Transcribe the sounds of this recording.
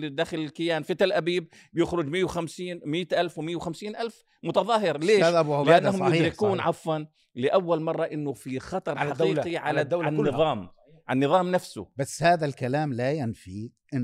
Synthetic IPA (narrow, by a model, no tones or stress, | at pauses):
lid̪axɪlɪlkɪjaːnfɪt̪alʔabiːb | bjɪxɾʊd͡ʒmɪːwxamsiːnmɪːt̪ʔalfwmɪjːawxamsiːnʔalf | mʊt̪ɑðˤɑːɦɪɾleːʔablɪʔanːahʊmjʊd̪ɾɪkuːnʕɑfwan | lɪʔawːalmɑrˤːɑʔɪnːʊfixɑt̪ˤɑɾˤħɑqiːiʕalaanːɨðˤɑːm | ʕanːɨðˤɑːmnafsʊ̰basːhaːðalkalaːmlajanfiʔɪ